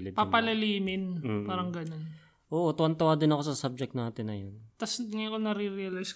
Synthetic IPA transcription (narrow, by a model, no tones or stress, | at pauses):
lɪpɐpɐlɐliːmɪnpaːɾɐŋɡɐno̞n | ʔoːʔot̪ɐwɐnt̪ɐwad̪ɪnɐko̞sɐsab̚d͡ʒɛk̚t̪naːt̪ɪnːɐjont̪ɐsŋɐjkonɐɾiɾiɐlajsk